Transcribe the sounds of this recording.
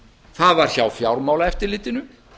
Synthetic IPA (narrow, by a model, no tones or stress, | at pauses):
θaðvaɾ̥çawfjawɾmaːwlaɛft̪ɪɾlɪːt̪ɪnʏ